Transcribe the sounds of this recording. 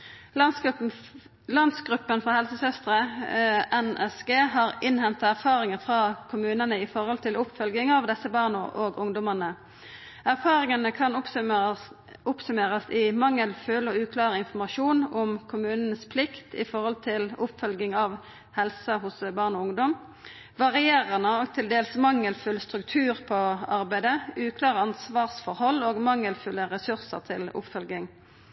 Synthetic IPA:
lɑnd̪sɡʁʉpːənfɔhɛlsəsœst̪ʁə | ɛnɛsɡeːɦɑːʁɪnhɛnt̪ɑæʁfɑːʁɪŋəʁfʁɑkʰʊmʉːnənəɪfɔɾhɔlt̪ʰɪlʊpːfœlɡɪŋɑʋd̪ɛsːəbɑːʁnɔʔoːɡʊŋd̪ɔmənə | æʁfɑːʁɪŋənəkʰɑn | ʊpsʉmeːʁɑsɪmɑŋːəlføːlɔʉːkʰlɑːʁəɪnfɔmɑʃuːnɔmkʰʊmʉːnənəspʰlɪkt̪ɪ̰fɔʁhɔlt̪ʰɪlʊpfœlɡɪŋɑʋ | hɛlsəɦʊsbɑːʁnɔːʊŋd̪ɔm | ʋɑʁɪeːʁənəɔːɡt̪ʰɪld̪eːlsmɑŋːəlfʉlst̪ʁʉkt̪ʰʉːʁpʰɔɑʁbæɪd̪əʉːkʰlɑːʁəɑnsʋɑːʁsfɔʁhɔlːoːɡmɑŋːəlfʉləʁɛsʉʁsə̰ʁt̪ʰɪlʊ̰pfœlɡɪŋ

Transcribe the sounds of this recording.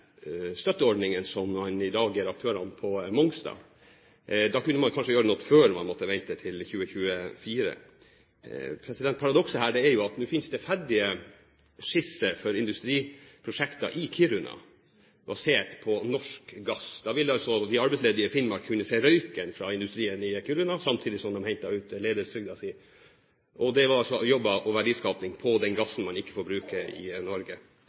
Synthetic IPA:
st̪œt̪ːəɔɖnɪŋənsɔmmɑnɪd̪ɑːɡæɾɑkt̪ʰøːɾɑmpʰɔmɔŋsd̪ɑ̰ː | d̪ɑːkʉnːəmɑnkʰɑnʂəjøːɾənɔt̪ːføːɾmɑ̰nmɔt̪ːəʋɛnt̪ət̪ʰɪlçʉːəçʉːəfiːɾə̰ | pʰɾɛsɪd̪ɛnt̪pʰɑɾɑd̪ɔksəhæːɖɛæɾjʊɑt̪nʉːfɪnsd̪ɛfæɖɪə | ʂɪsəfɔɾɪnd̪ʉst̪ɾiːpʰɾʊʂɛkt̪ɑ̰ʔɪkʰyɾʉnɑ̰ | bɑseːʈpʰɔnɔʂkɡɑsd̪ɑʋɪlɑlsɔd̪ɪɑɾbɛɪsleːd̪ɪəfɪnmɑɾkʰʉnːəsæɪɾœʏkənfɾɑɪnd̪ʉst̪ɾiːənɪkʰyɾʉnɑsɑmt̪ʰiːd̪ɪsɔmd̪ɔmhɛnt̪ːɑʉːt̪leːd̪əst̪ʰɾʏɡ̚d̪ɑsiː | ʔɔd̪ɛʋɑɾɑlsɔjɔbːɑʔɔʋæɖiːskɑːpnɪŋpʰɔd̪ɛnɡɑsːn̩mɑnɪkːə̥fɔɾbɾʉːkəɪ̰nɔɾɡə

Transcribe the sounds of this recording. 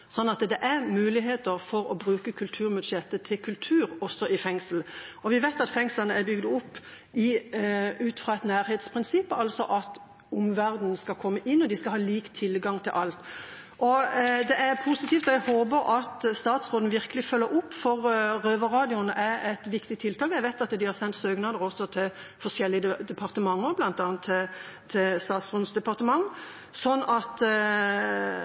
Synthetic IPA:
sɔnːɑt̪d̪ɛʔæʁmʉːlɪɦeːt̪əɾfɔɾɔbʁʉːkəkʰʉlt̪ʰʉːʁmɪd̪ʃjɛt̪ːət̪ʰɪlkʰʉlt̪ʰʉːɾɔsːɔʔɪfɛŋsl̩ɔʋɪʋeːt̪ɑt̪fɛŋslɑnəæbʏɡd̪əʊpː | ɪ | ʉːt̪fʁɑːɛt̪næːɾheːt̪spʰʁɪnsɪpːɑlsɔʔɑt̪ | ʊmʋæʁd̪n̩skɑlkʰɔmːəʔɪnːɔd̪ɪskɑhɑːliːkt̪ʰːɪlɡɑŋt̪ʰɪlʔɑlt̪ | ʔɔd̪ɛʔæɾpʰusɪt̪iːft̪ɔjæhoːbəɾʔɑt̪st̪ɑːt̪sʁoːd̪nəʋɪɾkəlɪfœlːəɾʊpːfɔʁʁøːʋəʁɑːd̪ɪʊnəʔæɾɛt̪ʋɪkt̪ɪt̪ʰɪlt̪ʰɑːkjɛɪʋæɪt̪ɑt̪d̪ɪhɑɾsɛnt̪søːɡnɑːd̪əɾɔsɔt̪ʰɪl | fɔʂɛlːɪəd̪ɛpʰɑʁt̪əmɑŋːəblɑnt̪ɑːnt̪ʰːɪlt̪ʰːɪlst̪ɑːt̪sʁɔːd̪n̩sd̪ɛpɑʁt̪əmɑŋː | sɔnːɑt̪

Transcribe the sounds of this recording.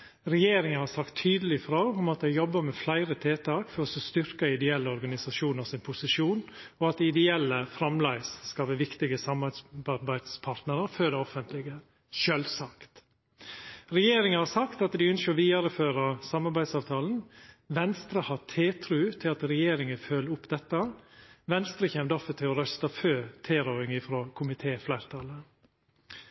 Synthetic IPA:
ɾɛjeːɾɪŋənhɑɾsɑkt̪ʰːyːd̪əlɪfɾoːʊmɑt̪̚d̪æɪjɔbːəɾmɛflæɪɾət̪ʰeːt̪ʰɑːkfɔɾɔsɔst̪ʏɾkəɪd̪ɛɛlːəɔɾɡɑnɪsɑʃuːnəɾsɪnpʰʊsɪʂuːnɔɑt̪̚d̪ɪɪd̪ɛɛlːəfɾɑmlæɪsːkɑlʋɛːʋɪkt̪ɪɡəsɑmɑɑbæɪd̪spʰɑɾt̪nəɾəɾføːd̪ɛɔfənt̪lɪɡə | ʃœlsɑkt̪ | ɾɛjeːɾɪŋəhɑɾsɑkt̪ɑt̪d̪ɪʏnsʃçəɔʋiːɑɾəføːɾɑsɑmːɑɾbæɪd̪sɑːʋt̪ʰɑːln̩ʋɛnst̪ɾəhɑt̪ʰeːt̪ʰɾʉːt̪ʰɪlɑt̪ɾɛjeːɾɪŋəfølʊpd̪ɛt̪ːəʋɛnst̪ɾəçɛmd̪ɔfət̪ʰɪlɔɾœst̪ɑføːt̪ʰeːɾoːɾɪŋɪfɾoːkʰʊmɪt̪ʰeːflæɪɾt̪ʰɑlə

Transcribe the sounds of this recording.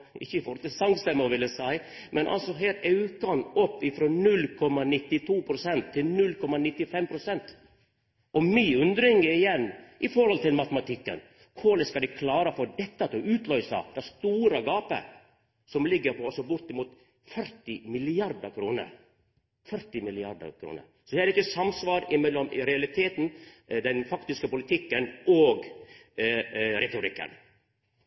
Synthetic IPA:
ɪçːəɪfɔɾhɔlt̪ɪsɑŋst̪ɛmːəʋɪlːəsæɪ | mʔɛnʔɑ̰lsɔɦeːɾtɑʉkɑnɔpːɪfɾɔnʉlːkʰɔmːɑnɪt̪ːɪt̪ʰuːpʰɾʊsɛnt̪ʰːɪlnʉlkʰɔmɑnɪt̪ːɪfɛmpʰɾʊsɛnt̪ | ʔɔmiːʉnd̪ɾɪŋəɾɪjɛnːʔɪfɔɾhɔlt̪ɪlmɑt̪əmɑt̪ʰɪkːə̰n | kʰʊlɪskɑd̪ɪkʰlɑːɾəfɔɾd̪ɛt̪ːɑt̪ɔʉːt̪lœʏsɑ̰d̪̥æst̪uːɾəɡɑːpə̰ | sɔmlɪɡːəɾpʰɔɔsɔbʊɾt̪ɪmuːt̪ | fœɾt̪ɪmɪlɪɑɾd̪əkʰɾuːnə̰ɾ | fœɾt̪ɪmɪlɪɑɾd̪ə̰kʰɾṵːnə̰ɾ | sɔd̪ɛæɾɪkːəsɑmsʋɑːɾɪmɛlːɔmɾɛɑlɪt̪ʰeːt̪n̩d̪ɛnfɑkt̪ɪskəpʊlɪt̪ʰɪkːənoːɡ | ɾɛt̪ʊɾɪkːə̰n

